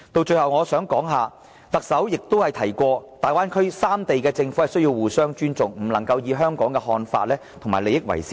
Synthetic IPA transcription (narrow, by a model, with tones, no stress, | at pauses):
t̪o˧wt͡ʃɵ˧ɥhɐ˨wŋɔː˨˧sœː˨˥ŋkɔː˨˥ŋɦaː˨ | t̪ɐ˨k̚sɐ˨˥wjɪ˨k̚t̪o˥whɐ˨jt̪ʰɐ˨˩jkʷɔː˧t̪aː˨jwaː˥nkʰɵ˥ɥsaː˥mt̪e˨jkɛː˧t͡sɪ˧ŋfu˨˥hɐ˨jsɵ˥ɥjiː˧wwuː˨sœː˥ŋt͡ʃyː˥nt͡sʊ˨ŋm̩˨˩lɐ˨˩ŋkɐ˧wjiː˨˧ɦœː˥ŋkɔː˨˥ŋkɛ˧ɦɔː˧nfa̰ː˧t̚lɛː˥t̪ʰʊ˨˩ŋma̰ː˨˩le˨jɪ˥k̚wɐ̰˨˩jsiː˥